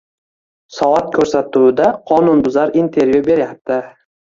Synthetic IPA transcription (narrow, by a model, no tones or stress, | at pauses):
sɒvat̪̚kʰɵɾsat̪uɪd̪aqʰɒnʊnbʊzaɾint̪ʰe̞ɾjube̞ɾjap̚t̪ʰɪ